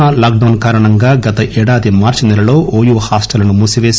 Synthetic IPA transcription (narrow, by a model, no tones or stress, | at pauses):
alaːk̚ɖɐwnkaːɾɐɳɐŋɡaːɡɐt̪ɐʔɛːɽaːd̪imaːɾt͡ʃinɛlɐlo̞ːʔoːjuːhaːsʈɐlɐnumuːsiʋeːs